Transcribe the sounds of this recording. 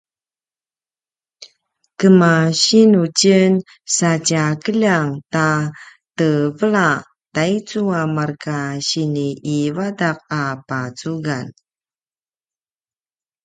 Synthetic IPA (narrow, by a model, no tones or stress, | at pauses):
kəmaɕinucən | sacakəʎaŋta | təvəɭa | tait͡suamarkaɕiniːvadak̚apat͡suɡan